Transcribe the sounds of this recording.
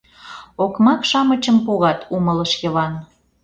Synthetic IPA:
okmɑkʃɑmət͡ɕəmpuɣɑt̪ʰumələʃjə̆βɑn

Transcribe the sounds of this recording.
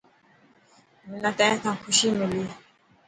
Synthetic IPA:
minatajãtãkuʃimili

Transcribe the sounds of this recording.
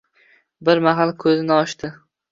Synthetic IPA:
bɪɾmaɦalˠkʰɵzɪnɪɒʃt̪ɪ

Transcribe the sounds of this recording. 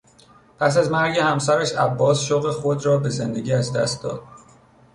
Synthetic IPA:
pʰæs̬æzmæɾɟe̞hæmsæɾæʃæbːɒːsʃoɣexod̪rɒːbe̞zend̪eɟiːæzd̪æ̰st̪̚d̪ɒ̰ːd̪̥̚

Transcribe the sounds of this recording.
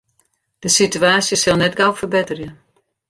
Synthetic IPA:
d̥əsityaːsjəsɪlˠnɛtɡawfərbɪtərjə

